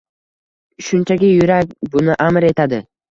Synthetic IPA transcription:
ʃʊnt͡ʃʰaɡʲɪjʊɾak̚ʲbʊnɪʔamɾe̞t̪ʰad̪ɪ

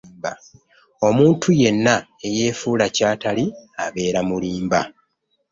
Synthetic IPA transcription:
ba | o̞muːntʰuje̞nːae̞je̞ːfuːlacaːtaliaβe̞ːɾamuliːmba̰

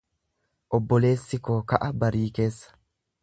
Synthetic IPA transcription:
ʔɔbːɔle̞ːsːɪkoːkɐʔɐbɐɾiːke̞ːsːɐ̥

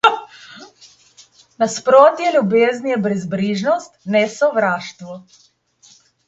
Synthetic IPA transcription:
naspɾoːt̪jɛlʲjubeːznjɛbɾɛzbɾiːʒnɔst̪nɛsɔʋɾaːʃt̪ʋɔ

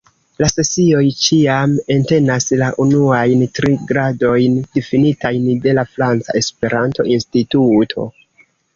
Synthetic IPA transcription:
lase̞sio̞jt͡ʃiame̞nte̞naslaʔunuajntɾiɡɾado̞jnd̥ifinitajnde̞lafɾant͡sa̰e̞spe̞ɾanto̞̰ʔinstitutʰo̞̰

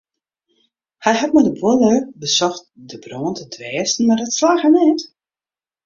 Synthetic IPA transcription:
hɛjɦat̚madəbwoləbəsɔxt̚dəbroːntʰədʋɛːsn̩mardɔtslaːxənɛːt

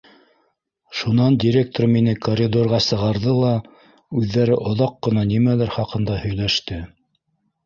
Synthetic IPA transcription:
ʃunɑndʲiɾʲek̚t̪orminɘkorʲɪd̪orʁɑsɤ̆ʁɑɾðɤlˠɑ | ʉðːæɾɘʔŏðɑqːɤ̆nɑnimælæɾχɑqɤ̆nd̪ɑhɵ̆jlæʃt̪ɘ

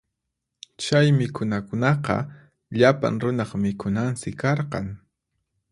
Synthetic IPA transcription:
t͡ʃajmɪkʰʊnakʊnɑqɑ̰ | ʎapa̰ŋɾʊnɑχmɪkʰʊnansɪkɑɾqɑ̰ŋ

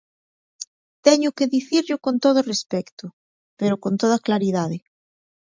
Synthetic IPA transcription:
t̪ɛɲʊkeðiθiɾʎʊkont̪oðorespɛkt̪o | peɾokont̪oð̞aklaɾiðaðe

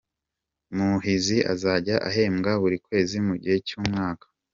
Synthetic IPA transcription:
muɦiziʔa̰zaɟaʔa̰ɦe̞ːmɡaβuɾikwe̞ːzimuɟihe̞cuːmŋaːkḁ

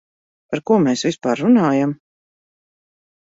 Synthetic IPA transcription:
paɾkuːɔmɛːsvispaːɾːunaːjam

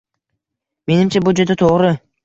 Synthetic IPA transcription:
me̞nɪmt͡ʃʰabʊd͡ʒed̪ɪt̪ʰoʁɾɪ

